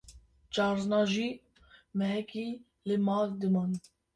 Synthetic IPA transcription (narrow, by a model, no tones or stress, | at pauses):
t͡ʃɑːɾznɑːʒiː | mɛɦɛkiː | lɨmɑːld̪ɨmɑːn